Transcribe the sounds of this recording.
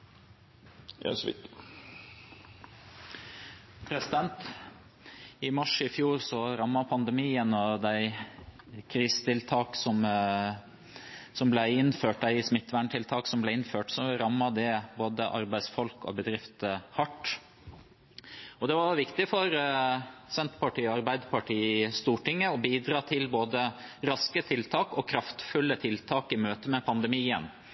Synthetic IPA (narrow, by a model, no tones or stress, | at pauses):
j̰æ̰sɔʋɪ̰k̚t̪ɪ̥ | pʰɾɛsɪd̪ɛnt̪ | ɪmɑʂɪfjuːɾsɔɾɑmːɑpʰɑnd̪ɛmiːənɔd̪æɪ | kʰɾiːsə̥t̪ʰɪlt̪ʰɑːksɔm | sɔmblæɪɪnføːʈ̚d̪æɪsmɪt̪ːʋæɳʈ̪ʰɪlt̪ʰɑːksɔmblæɪɪnføːʈsɔɾɑmːɑd̪ɛboːd̪əʔɑɾbæɪsfɔlkɔ̰bəd̪ɾɪft̪hɑʈː | ɔd̪ɛʋɑɾʋɪkt̪ɪfɔɾ | sɛnt̪pɑʈiːɑɾbæɪd̪əpʰɑʈiːst̪uːʈɪŋːəɔbiːd̪ɾɑːt̪ʰɪlboːd̪əɾɑskət̪ʰɪlt̪ʰɑːkɔkʰɾɑft̪fʉlːət̪ʰɪlt̪ʰɑːkɪmøːt̪əmɛpʰɑnd̪ɛmiːən